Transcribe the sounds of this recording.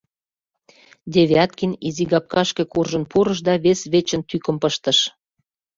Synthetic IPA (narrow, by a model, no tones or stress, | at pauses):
d̪ʲeβeɑt̪kiniziɡɑp̚kɑʃkĕkurʒə̆npuɾə̆ʃ̬d̪ɑβesβet͡ɕə̆nt̪ykə̆mpəʃt̪ə̆ʃ